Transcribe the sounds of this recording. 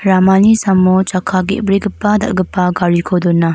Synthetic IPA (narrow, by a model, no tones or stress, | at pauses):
ɾamanisamːɔt͡ʃakʰːaɡḭʔbɾiɡəpːad̪ɐ̰ʔɡɯpːaɡaɾikʰod̪una